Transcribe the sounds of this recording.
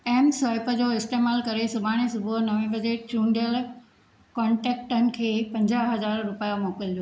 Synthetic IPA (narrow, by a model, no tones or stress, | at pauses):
ɛːmsaːɪpəd͡ʑoːɪsʈeːmaːlkɐɾesʊbʱaːɽ̃ẽsʊbʱʊnɐʋẽʋɐd͡ʑeːʈt͡ɕũːɳɖijəl | kɔ̃ːɳʈɛːk̚ʈənɪ̆kʰeːpɐ̃ɲd͡ʑaːɦɦɐzaːɾːʊpijamɔːkɪld̪ijo